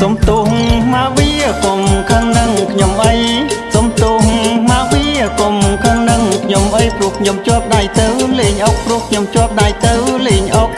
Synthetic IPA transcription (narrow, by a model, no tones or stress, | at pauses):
somt̪uhhmaːʋiəkomkʰəŋnɨŋkʰɲomʔəjsomt̪uhhmaːʋiəkomkʰəŋnɨŋkʰɲomʔəjprʊəhkʰɲomt͡ɕoəp̚ɗajt̪ɨwleːɲʔok̚pruəhkʰɲomt͡ɕoəp̚ɗajt̪ɨwleːɲʔok̚